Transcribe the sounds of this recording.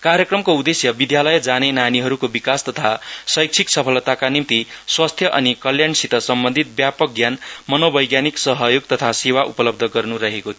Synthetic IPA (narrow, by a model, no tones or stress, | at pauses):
kaɾjʌkrʌmkoud̪esjʌbid̪jalʌjd͡zanenaniɦʌɾukobikast̪ʌt̪ʰasʌjk̚t͡sʰiksʌpʰʌlt̪akanimt̪iswast̪ʰjʌʔʌnikʌljansit̪ʌsʌmbʌnd̪ʱit̪̚bjapʌk̚ɡjanmʌnobʌjɡjaniksʌɦʌjoɡ̚t̪ʌt̪ʰasewaʔupʌlʌb̚d̪ʱʌɡʌrnuɾʌɦekot̪ʰ